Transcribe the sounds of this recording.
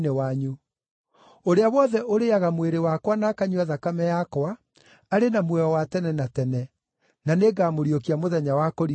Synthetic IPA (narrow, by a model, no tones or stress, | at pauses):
newaɲo | oɾeawɔðɛʔoɾeaɣamweɾewakwanakaɲuaðakamɛjakwaː | ɾenamwɛɔwatɛnɛnatɛnɛ | naneɡaːmoɾiokiamoðɛɲawakɔɾi